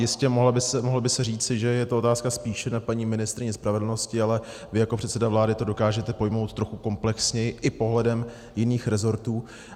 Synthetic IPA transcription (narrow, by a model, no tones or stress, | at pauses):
jɪscɛmoɦlabɪsɛmoɦlabɪsɛriːt͡sɪʒɛjɛt̪o̞ot̪aːskaspiːʃɛnapaɲiːmɪnɪst̪ɾɪɲɛspɾavɛdl̩no̞scɪalɛ | vɪjakopr̝̥ɛt̪sɛdavlaːdɪt̪o̞do̞kaːʒɛt̪ɛpo̞jmo̞wt̪ːɾo̞xuko̞mplɛksɲɛjɪʔɪpo̞ɦlɛdɛm | jɪniːxɾɛzo̞ɾt̪uː